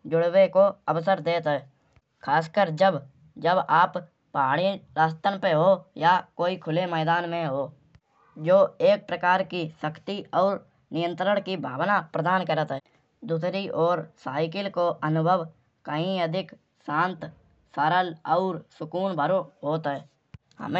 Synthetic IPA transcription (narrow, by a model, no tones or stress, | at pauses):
d͡ʒʊɽwekoəʋsəɾd̪eːt̪ɦɛː | kʰaːskəɾd͡ʒəb | d͡ʒəbaːp | paːɽ̃ilaːst̪ənpeɦojakoːikʰʊlemɛːd̪aːnmẽɦoː | d͡ʒoːeːk̚pɾəkaːɾkisəkʰt̪iɔːɾ | nɪjə̃nt̪ɾəɽ̃kibʱaːʋnapɾəd̪aːnkəɾət̪ɦɛ | d̪uːsɾiʔɔːɾsaːɪkɪlkoʔənʊbʱəʋ | kəɦĩəd̪ʱɪk | sãːnt̪ | saɾəlɔːɾsʊkuːnbʱəɾoɦoːt̪ɦɛː | hə̰me